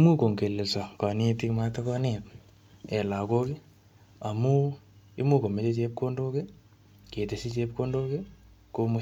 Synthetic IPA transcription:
mu˦ko˨ŋke˨le˨sa˨ka˨ne˦ti˦kma˦takɔnet | ɛ˨la˨ko˦ki˦ | a˨mu˦ | ɪ̰˦mu˦ko˨me˨˦t͡ʃe˦t͡ʃeː˦p̚ko˦ndo˦ke˦ | ke˨te˨si˦t͡ʃe˦p̚kondoː˦ke˦ko˦mʊ˦

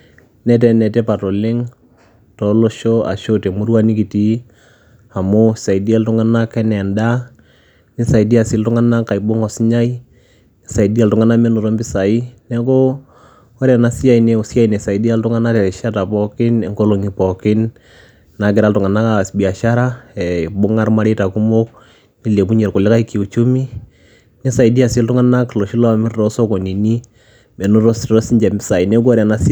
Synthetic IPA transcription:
nɛ˨˦tɛ˨nɛ˨tɛ˦pa˨tɔ˨lɪ˦ŋ | tɔ˨lo˦ʃo˦a̰˨ʃo˦te˨mu˦ɾu˦a˦ni˦ki˨ti˦ | a˨mʊ˦sa˨i˨di˦a˦ltʊ˦ŋa˦na˦kɛ˦nɛ˨nda˦ | nɪ˦sa˨i˨di˦a˨sɪ˦ltʊ˦ŋa˦na˦ka˨i˨bʊ˦ŋɔ˨sɲa˦i˦ | nɪ˨sa˨i˨di˦a˨ltʊ˨ŋa˦na˦mɛ˦nʊ˨ɾɔ˦mbɪ˦sa˨i˦nɛ˦ko˦ | ɔ˦ɾja˨na˨si˦ja˦˨i˨ne˨si˦a˦i˨ne˨sa˨i˦di˦a˦ltʊ˦ŋa˦na˦tɛ˨ɾɛ˨ʃa˦ta˨pɔ˦kɪ˦nɛ˨ŋko˦lo˨ŋi˨pɔ˨kɪ˦n | na˨kɪ˨ɾa˦ltʊ˨ŋa˨na˦ka˦˨sbi˨a˨ʃa˦ɾa˦ɛ˨bʊ˦ŋa˦rma˦ɾe˦ta˨ku˦mo˦k̚ | ni˦le˨pu˦ɲe˨ɾkʊ˨lɪ˦ka˦i˦ki˨u˨t͡ʃu˦mi˦ | ni˦sa˨i˨di˦a˨se˦ltʊ˦ŋa˦na˦klɔ˨ʃi˦lɔ˦mɛ˦ɾʊ˨tɔ˦so˦kɔ˨ni˨ni˦ | me˨nu˦tɔ˦stɾɔ˦sɪ˦ɲd͡ʒɛ˨mbɪ˦sa˨i˨nɛ˦k̬o˦ɾja˨na˦s

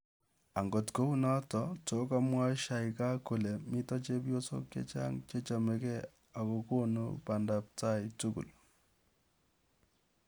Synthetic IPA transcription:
a˨ŋɡo˨tko˦u˦nɔ˦tɔto˨˦ka˦mwa˦ʃa˨ika˦ko˨le˨mɪ˦tɔ˦t͡ʃe˦pjo˦so̰˦kjḛ˦t͡ʃa̰˦ŋt͡ʃe˦t͡ʃa˨mɛ˨kɛ˦ | a˨ko˨ko˦nṵpa˨nda˨p̚ta˦itu˦kṵ˨l

